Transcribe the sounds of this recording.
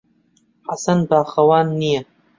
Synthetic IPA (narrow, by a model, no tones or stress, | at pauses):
ħasɐnbaːxɐwaːnːijɐ